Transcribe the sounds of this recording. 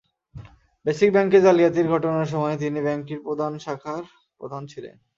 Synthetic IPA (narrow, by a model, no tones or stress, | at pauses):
beʃik̚bɛŋked͡ʑaliat̪iɾɡʱɔʈonaɾʃ̬ɔmɔet̪̬inibɛŋkiɾpɾod̪ʱanʃakʰaɾ | pɾod̪ʱant͡ɕʰilḛn